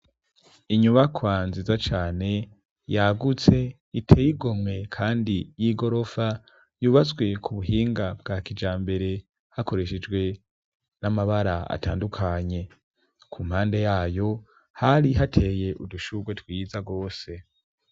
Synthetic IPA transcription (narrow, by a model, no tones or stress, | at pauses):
iɲuβakʰwanzizat͡ʃaːne̞ | jaɡut͡se̞ | itʰeːjiɡo̞mŋe̞kʰaːndijiɡo̞ɾo̞fa | juːβazɡwe̞kʰuβuɦiːŋɡabɡakid͡ʒaːmbe̞ɾe̞ | hako̞ɾe̞ʃed͡ʒɡwe̞ | namaβaɾaa̰ta̰ːndukʰaɲe̞ | kʰum̥haːnde̞jaːjo̞ | haɾiɦatʰe̞ːje̞ʔuduʃuɡwe̞twiːzaɡo̞ːse̞